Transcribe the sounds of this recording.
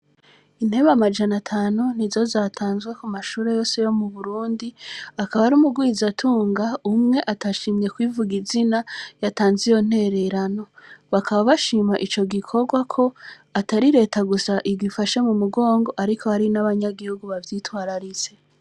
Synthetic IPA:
in̥he̞βamad͡ʒanatʰaːnun̥izo̞zatʰaːnzɡwe̞kumaʃuːɾe̞jo̞ːse̞jo̞muβuɾuːndiakaβaaɾumuɡwiːzatʰuːŋɡaumŋe̞ʔataʃiːmɲe̞kwivuɡizinajataːnzijo̞n̥he̞ɾe̞ɾano̞βakaβaβaʃiːmaʔit͡ʃo̞ɡikʰo̞ɡwakʰo̞ | ataɾiɾe̞ːtaɡusaʔiɡifaʃe̞mumuɡo̞ːŋɡo̞ʔaɾikʰo̞haɾinaβaɲaɡihuɡuβavjiːtwaːɾaɾit͡se̞

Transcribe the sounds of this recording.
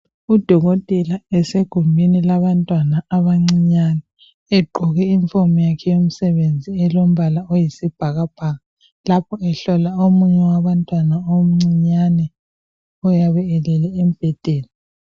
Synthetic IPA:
ud̥ʱɔɣotʼɛlaɛseɡ̥ʱumbʱinilaβantʼwanaːβaŋ͡ǀiɲanɛ | eɡ͡ǃʱuɣɛiɱfomɔjakʰɛjom̩sɛβend͡zʱiɛlom̩βalaojisib̥ʱaɣab̥ʱaːɣa | lapʰɔɛɬɔlaomuɲɛwaβantʼwanaom̩ŋ͡ǀiɲanɛ | ɔjaβɛɛlɛlɛːm̩b̥ʱɛd̥ʱɛːla

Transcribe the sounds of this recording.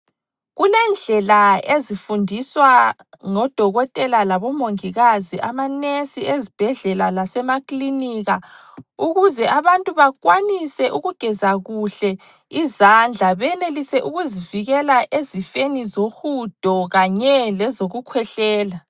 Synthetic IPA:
ɣulɛnd͡ɮʱɛlaezifundʱiswa | ŋɔd̥ʱɔɣɔtʼɛlalaβɔmoŋiɣaziʔamanesiezib̥ʱɛɮɛlalasɛmakʼliniɣa | uɣuzɛʔaβantʼuβaɣwanisɛʔuɣuɡ̥ʱɛzaɣuɬɛ | izand͡ɮʱaβɛɛlelisɛʔuɣuziviɣɛlaʔezifenizoxud̥ʱɔɣaɲɛlɛzoɣukʰwɛɬɛːla

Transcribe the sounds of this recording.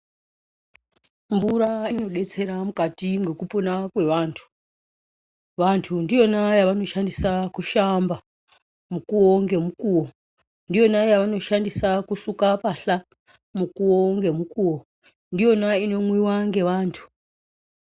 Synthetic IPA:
mvuɾainno̞ɗe̞t͡se̞ɾamukatiŋɡe̞kupo̞nakwe̞ʋaːntʰu̥ | ʋantʰundijo̞najaʋano̞ʃandisakuʃamba | mukuwoŋɡe̞mukuːwo̞ | ndijo̞najaʋano̞ʃandisakusukapaɬa | mukuwo̞ŋɡe̞mukuːwo | ndijo̞naino̞mwiwaŋɡe̞ʋaːntʰu̥

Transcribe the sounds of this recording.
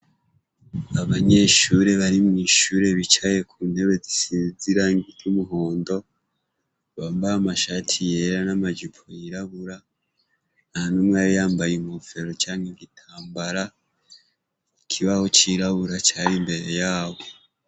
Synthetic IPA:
aβaɲe̞ʃuɾe̞βaɾimŋiːʃuːɾe̞βit͡ʃaje̞kʰuːn̥he̞βe̞zisiziɾaiŋɡitumuɦo̞ːndo̞ | βambaamaʃaːtʰije̞ɾanamad͡ʒupʰojiɾaβuɾa | ahanumwajijaːmbajemofe̞ɾo̞t͡ʃaːŋheɡitʰaːmbaɾa | ikʰiβaho̞t͡ʃiɾaβuɾat͡ʃaːjimbe̞ɾe̞jaːβo̞

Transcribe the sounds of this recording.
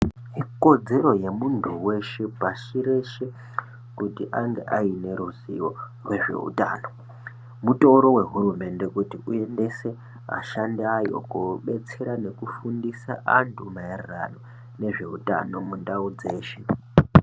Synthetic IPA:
ɦiko̞d͡ze̞ɾo̞je̞muntʰuwe̞ʃepaʃiɾe̞ʃe̞ | kutiʔaŋɡḛʔaine̞ɾuziʋo | rwe̞ʐe̞̰ṵta̰ːno̞ | mutoɾo̞we̞ɦuɾume̞nde̞kutiue̞nde̞se̞ | a̰ʃandiajo̞̰kuɓe̞t͡se̞ɾane̞kufundisa̰ʔantʰumajarira̰no̞ | ne̞ʐe̞̰uta̰no̞mundaud͡ze̞ːʃe

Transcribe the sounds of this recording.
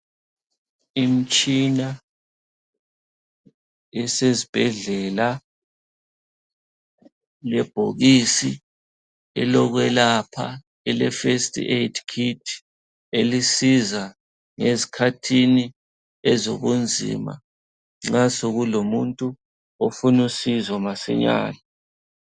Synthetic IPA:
im̩t͡ʃʼina | ɛsezib̥ʱɛɮɛla | lɛb̥ʱoɣisi | ɛlɔɣwɛlapʰa̰ | ɛlɛfestʼḭʔetʰkʰitʰ | elisiza | ŋezikʰatʰini | ɛzoɣund͡zʱḭːma̰ | ŋ͡ǁasoɣulomuntʼu | ofunusizamasɛ̰ɲa̰ːni

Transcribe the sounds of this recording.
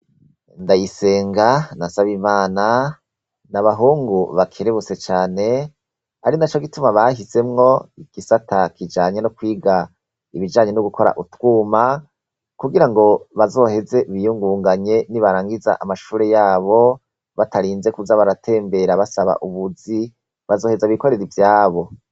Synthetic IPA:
ndajise̞ːŋɡanasaβimaːna | naβaɦuːŋɡuβakʰeɾeβut͡se̞t͡ʃaːne̞ | aɾinat͡ʃo̞ɡitumaβahise̞mŋo̞iɡ̥isatakid͡ʒaːɲe̞nukwiːɡa | iβid͡ʒaːɲe̞nuɡuko̞ɾa̰ʔutwuːma | kuɡiɾaŋɡo̞βazo̞he̞ze̞βijuŋɡuːŋɡaɲe̞niβaɾaːŋɡiza̰ʔamaʃuːɾe̞jaːβo̞ | βataɾiːnze̞kuzaβaɾatʰe̞ːmbe̞ɾaβasaβa̰ʔuβuzi | βazo̞ːhe̞zaβiko̞ɾe̞ɾivjaːβo̞

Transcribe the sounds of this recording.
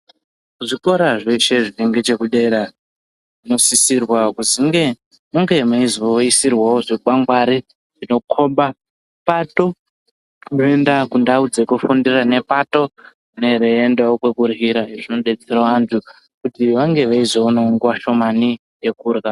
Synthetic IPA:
kuʐiko̞ɾaʐeʃe̞ʐiiŋɡet͡ʃe̞kuɗe̞ɾa | ʐino̞sisirwakuziŋɡe̞ | muŋɡe̞maizoisirwawoʐiɓaŋɡwaɾi | ʐino̞kʰo̞ɓa | pato̞ | kunoe̞ndakundaud͡ze̞kufundirane̞pato̞ | ne̞ɾeːndaokwe̞kurɦiɾajeʐino̞ɗe̞t͡seɾaantʰu | kutiʋaŋɡe̞ʋaizounoŋɡwaʃo̞mani | je̞kuːrɣa

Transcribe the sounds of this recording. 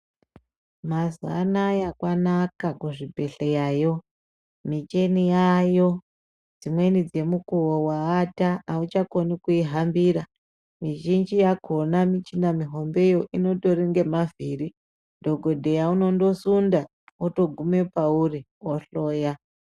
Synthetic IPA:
mazanajakwanakakuʐibʱe̞ɬejaːjo̞ | mit͡ʃenijajo̞ | d͡zimwe̞nid͡ze̞mukuwowaːtaːut͡ʃakonikuiɦambiɾa | miʒind͡ʒijakʰonamit͡ʃinamiɦo̞mbe̞jo̞ʔino̞to̞ɾiŋɡe̞maviri | dʱo̞ɡʱo̞dʱe̞jauno̞ndo̞sunda | oto̞ɡʱume̞pauri | oɬoːja

